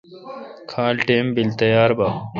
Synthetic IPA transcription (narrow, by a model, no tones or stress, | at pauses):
kʰaːlʈeːmbilt̪ɐjaːɾbaː